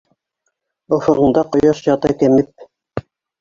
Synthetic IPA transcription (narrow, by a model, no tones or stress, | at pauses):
ŏfɤ̆ʁɤ̆ɴd̪ɑqŏjɑʃjɑt̪ɑkɘ̆mɘp̚